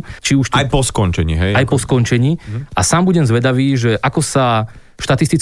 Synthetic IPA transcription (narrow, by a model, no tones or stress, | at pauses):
t͡ʃiuʃt̪ajpɔskɔɲt͡ʃɛɲḭːɦɛjajpɔskɔɲt͡ʃɛɲiːʔasaːmbuɟɛmzʋɛd̪aʋiːʒɛʔakɔsa | ʃt̪at̪ist̪it͡s